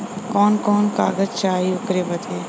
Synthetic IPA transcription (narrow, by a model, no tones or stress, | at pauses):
kɔːnkɔːnkaːɡəd͡ʒt͡ʃaːiʊkɾebəd̪eː